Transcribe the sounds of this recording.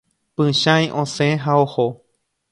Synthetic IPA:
pɨ̃ʃãjʔõsẽɦaoho

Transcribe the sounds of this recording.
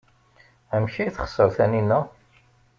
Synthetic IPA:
æmçijθχə̥sˤːəɾθæninːæ

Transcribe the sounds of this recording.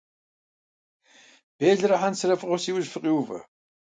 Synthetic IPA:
b̥eːɮɾɐħansɨɾɐfʼɨʁʷɔsiːwʊzfɨqʼiwvɐ̰

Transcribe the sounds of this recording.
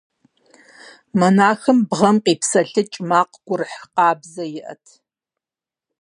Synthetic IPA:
mɐnaːxɨmbʁɐmqiːpsɐɬɨt͡ʃʼmaːqɡ̥ʷʊrɨħqɑːbzɐjɪʔɐ̰tʰ

